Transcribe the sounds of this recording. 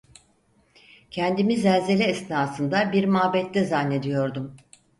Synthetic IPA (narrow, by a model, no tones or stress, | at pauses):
cʰɛnd̪imizɛlʲze̞lʲɛːsnaːsɯnd̪abiɾmaːbɛt̪ːɛzanːe̞d̪ijo̞ɾd̪um